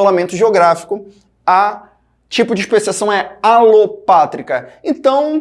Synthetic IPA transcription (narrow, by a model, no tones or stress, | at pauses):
olamẽnt̪ʊʒeoɡɾafi̥kʊ | a | t͡ʃipʊd͡ʒɪiʃpesiasɐ̃w̃ɛalopat̪ɾikɐẽnt̪ɐ̃w̃